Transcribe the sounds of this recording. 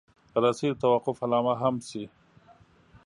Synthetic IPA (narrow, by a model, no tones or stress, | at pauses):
ɾasid̪t̪awaqʊfalɑːmaɦamsi